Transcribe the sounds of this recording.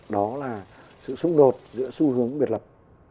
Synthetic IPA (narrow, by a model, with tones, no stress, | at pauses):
ɗɔ˨˦laː˨˩sɨ̰˧˨sʊ˨˧ŋ͡mɗo˨˩t̚zɨ̰˧˥əsu˧hɨ˨˦əŋɓi˨˩ət̚lə˨˩p̚